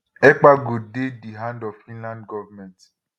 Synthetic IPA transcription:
ɛk͡paɡodediɦãndɔfĩnlãndɡɔvamɛ̃nt

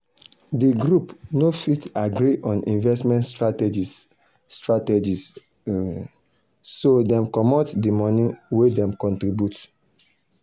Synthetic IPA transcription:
diɡɹupnofitaɡɾiʔɔ̃nḭ̃nvɛstmɛ̃ntstɹatɛd͡ʒi | stɹatɛd͡ʒis | sodɛ̃mkɔmɔtdimɔnĩwedɛ̃mkɔ̃ntɹibjut

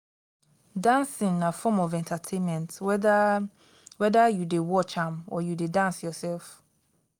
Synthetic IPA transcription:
dãnsĩŋnafɔmɔvɛ̃ntʰatʰẽnmɛ̃nt | wɛdajudewɔt͡ʃãmɔ̰judedãnsjɔsɛlf

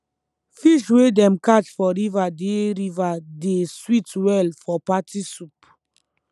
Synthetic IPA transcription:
fiʃwedɛ̃mkat͡ʃfɔɾivadeɾivadeswitwɛlfɔpatʰisup

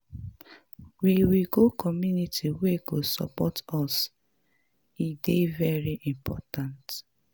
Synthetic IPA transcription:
wiwiɡokʰɔmjunitʰiweɡosɔ̰pɔtɔs | idevɛɹiʔĩmpʰɔtãnt

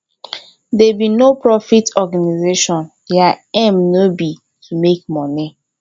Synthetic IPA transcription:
dɛbinopɹɔfitɔɡanizeʃɔ̃n | jaɛ̃mnobi | tʰumek̚mɔni

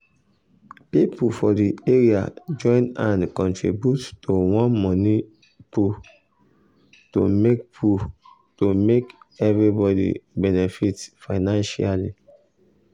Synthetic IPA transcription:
pipufɔdieɹia̰d͡ʒɔ̃ɪ̃nãnkɔ̃ntɹḭbjuttowɔ̃nmɔni | pu | to̰mek̚pu | tomekɛvɹibɔdḭbɛnɛfitfaɪnãnʃalḭ

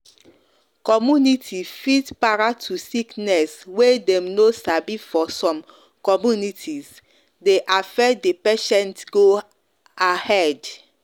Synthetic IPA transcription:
kɔmjunitʰifitpaɹatʰusiknɛswedɛ̃mnosabifɔsɔ̃m | kɔmjunitʰis | deʔafɛdepeʃɛ̃ntɡo | ahɛd

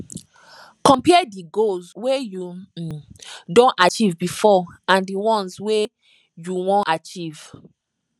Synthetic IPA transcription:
kɔ̃mpiɛdiɡolsweju | dõnat͡ʃivbifɔãndiwɔ̃nswe | juwɔ̃nat͡ʃiv̥

